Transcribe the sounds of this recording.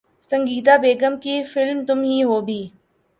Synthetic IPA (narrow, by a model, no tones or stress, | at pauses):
sə̃ŋɡiːt̪abeːɡəmkifɪlmt̪ʊmɦiːɦoːbʱiː